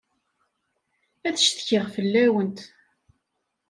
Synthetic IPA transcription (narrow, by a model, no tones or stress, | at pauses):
æθəʃt̪çɪʁfəlːæwənt̪